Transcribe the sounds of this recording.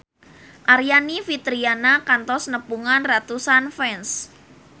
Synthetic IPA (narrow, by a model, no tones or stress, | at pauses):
ʔaɾijanifit̪ɾianakant̪ɔsnəpuŋanrat̪usanfɛns